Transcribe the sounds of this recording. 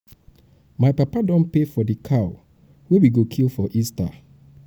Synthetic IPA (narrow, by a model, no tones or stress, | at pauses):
maɪpapadɔ̃npefɔdikʰaʊ | wewiɡokʰilfɔʔista̰